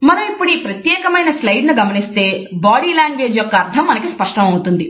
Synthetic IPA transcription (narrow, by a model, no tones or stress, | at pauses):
mɐɾɐmipːuɽipɾɐt̪jɛːkɐmɐjnɐslɐjɖnuɡɐmɐnist̪e̞ːbaːɽiːlaːŋɡʋe̞ːd͡ʒjɔkːɐːɾt̪ʰɐmːɐnɐkispɐʂʈɐmɐwut̪und̪i